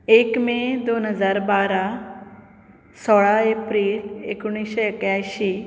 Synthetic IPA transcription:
ekmẽd̪onɦəd͡zaɾbaɾa | sɔɭaepɾiːlḛkuɽ̃iɕeekjajɕi

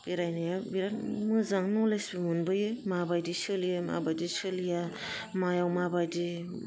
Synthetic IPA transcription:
b̥iɾajnajabiɾatmɯzaŋnɔlesbimunbɯjɯjmabajdisɯlijɯma̰bajdisɯlija | majawmabajdi

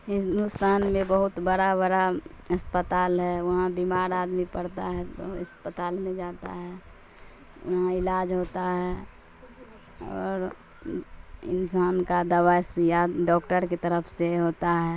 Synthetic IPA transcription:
ɦɪ̃nd̪ust̪aːnmẽbəɦʊt̪bəɽaβəɽa | əspət̪aːlɦɛʋɐɦãbimaːɾaːd̪mipəɽt̪aɦɛt̪o̰əspət̪aːlmẽd͡ʒaːt̪a̰ɦɛ | ʊ̰ɦãɪlaːd͡ʒɦoːt̪aɦɛ | ɔːɾ | ɪ̰nsaːnkad̪əʋaɪsjaɖɔːkʈəɾket̪əɾəpʰseɦoːt̪aɦɛ

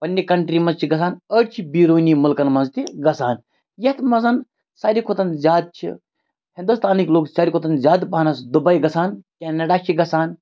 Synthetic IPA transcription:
pɐnʲːikɐɳʈɾiːmɐnzt͡ʃʰiɡɐsaːnəʈt͡ʃʰibiːɾoːnimʊlkɐnmɐnzt̪iɡɐsaːn | jɐt̪mɐzɐn | saːɾikʰot̪ɐnzʲaːd̪̚t͡ʃʰḭ | hind̪ust̪aːnikloːksaːɾʲikʰot̪ɐnzʲaːd̪pɐɦnɐsd̪ubɐjɡɐsaːnkʲenɐɖaːt͡ʃʰiɡɐsaːn

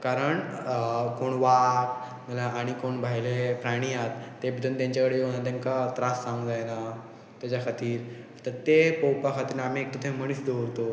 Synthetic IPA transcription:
kaɾəɳ | koɳʋak̚ | ɡəlaːɽ̃ikoɳbʱajlepɾaɽ̃iat̪ːebid̪ʱənt̪jãɲt͡ɕakəɽejonat̪̬jãŋkat̪ɾasːãŋɡd͡zajna | t̪jat͡ɕakʰat̪iːɾ | at̪at̪epowpakʰat̪iːɾnam̤iek̚t̪ot̪ʰẽm̤əɽ̃iːsd̪oɾt̪o

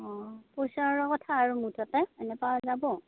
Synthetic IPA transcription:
ɔ̃pojsaɹɔkɔtʰaːɹumutʰatɛɛnɛpawazabɔ

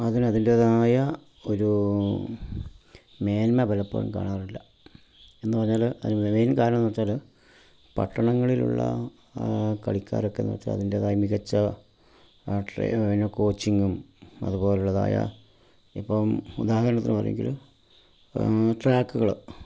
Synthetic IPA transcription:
ɐðinɐðindeðaːjɐ | oɾu | me̞ːnmɐbɐlɐpːo̰ːɐ̰mka̰ːɳaːrilːɐ | e̞nːɨpɐrɐɲːaːlɐmeːnkaːɾɐɳɐmnːoːt͡ɕːaːl | pɐ̰ʈːɐɳɐŋːɐɭilṵɭːɐ̰ | kɐ̰ɭikʲːa̰ːɾo̞kːḛnːo̰ːt͡ɕːa̰ːlɐ̰ðindeðaːjmiɣɐt͡ɕːɐ | ʈrḛnoko̞ːt͡ɕːiŋːum | ɐ̰ðubo̞ːleuɭːɐða̰ːjɐ̰ | ipːɐmud̪aːɦɐɾɐɳɐt̪ːinːɨpɐrɐ̰j̰ḛŋɡḭlu | ʈraːkːuɣɐɭ

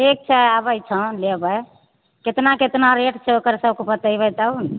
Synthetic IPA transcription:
ek̚t͡ʃʰɛabəjt͡ʃʰə̃lebəj | ket̪naket̪naɾeʈt͡ʃʰɛokəɾsəbkopət̪əjbət̪aun

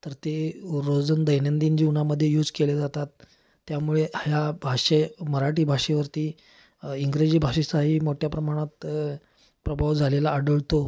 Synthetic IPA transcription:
t̪əɾt̪eɾod͡zənd̪əjnənd̪ind͡ʑiunaməd̪ʱːjejuːd͡zkeled͡zat̪at̪ː | jamuɭeʔaɦjabʱaʂeməɾaʈiːbʱaʂeʋəɾt̪iː | iŋɡɾed͡ʑiːbʱaʂisaɦiːmoʈʰjapɾəmaɽ̃at̪ | pɾəbʱaʋd͡zʱalelaːɽəɭt̪o

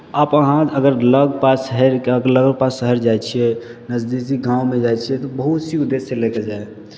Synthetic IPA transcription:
əpəɦãəɡəɾləɡpasəɦɛɾkəɡəɾləɡəlpasəɦəɾd͡ʒajt͡ʃʰiɛnəd͡ʒd̪isikɡãumed͡ʒajt͡ʃʰiɛt̪ɔbəɦut̪siud̪esːeleked͡ʒae

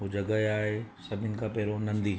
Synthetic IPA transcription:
ɦod͡ʑɐɡəɦeaːɦesɐbʱɪnɪ̆kãpɛːɾonɐ̃nd̪i

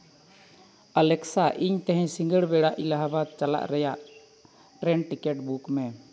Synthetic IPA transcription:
alɛksaʔiɲt̪ɛɦɛ̃ɲsiŋɡəɭbɛɽaʔilaɦabad̪̚t͡ʃala̰ʔɾɛjaʔ | ʈɾɛnʈikɛʈbukmɛ

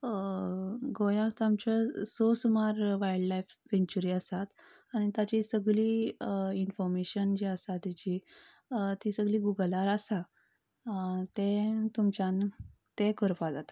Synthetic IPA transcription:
ɡojãt̪amt͡ɕasosmaɾʋajəɖlajfseɲt͡ɕuɾiːəsat̪ | aɽ̃it̪jat͡ɕisəɡliinfɔɾmeɕənd͡ʑiəsat̪at͡ɕi | t̪isəɡliːɡuɡəlaɾasa | t̪ẽt̪umt͡ɕãn | t̪ẽkəɾpad͡zat̪ḁ

